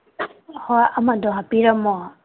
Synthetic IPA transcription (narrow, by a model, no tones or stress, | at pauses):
hɔamadɔɦapiɾamɔ